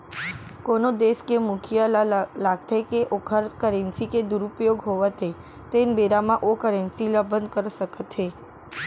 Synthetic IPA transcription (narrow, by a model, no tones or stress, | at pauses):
konod̪eskemukʰijalaɡ̚t̪ʰakeʔokʰəɾkəɾensiked̪uɾupjoɡɦoʋat̪ʰe | t̪enbeɾamãʔokəɾensiləbənd̪kəɾʃəkət̪ʰe